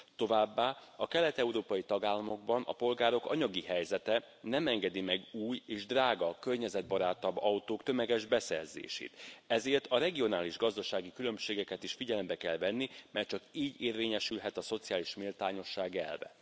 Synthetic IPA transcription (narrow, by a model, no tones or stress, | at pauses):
t̪o̞vaːbːaːɒkɛlɛt̪ɛuɾoːpɒjit̪ɒɡaːlːɒmo̞ɡ̚bɒnʔɒ̰po̞lɡaːɾo̞kɒ̰ɲɒɡiɦɛjzɛt̪ɛ | nɛmɛŋɡɛd̪imɛɡuːjeːʒd̪raːɡɒkørɲɛzɛd̪̚bɒɾaːt̪ːɒbɒut̪oːkt̪ø̞mɛɡɛʒbɛsɛ̰rzḛːʃḛːt̪ɛzeːrt̪ɒɾɛɡio̞n̪aːliʒɡɒzd̪ɒʃaːɡikylø̞mʃeːɡɛkɛt̪iʃfiɟɛlɛmbɛkɛlvɛnːimɛt͡ʃɒkiːɟeːrveːɲɛʃylɦɛt̪ɒso̞t̪sijaːliʃmilt̪aːɲo̞ʃːaːɡɛ̰lvɛ̰